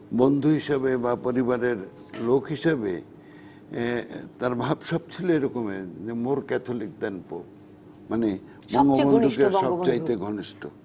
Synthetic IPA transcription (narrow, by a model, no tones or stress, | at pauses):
bond̪ʱuɦiʃebebapoɾibaɾeɾlokɦiʃebe | t̪aɾbʱabʃɔb̚t͡ɕʰiloeɾɔkomed͡ʑemoɾkɛt̪ʰolik̚d̪ɛnpo̰p | mane | mɔŋɡobonʱukeɾʃɔb̚t͡ɕajt̪eɡʱɔniʃʈʰo